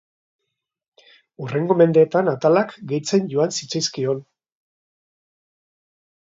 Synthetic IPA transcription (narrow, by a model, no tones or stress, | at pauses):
ure̞ŋɡo̞me̞nd̪e̞ːt̪anat̪alakɡe̞jt͡se̞nɟoansit͡sajskio̞n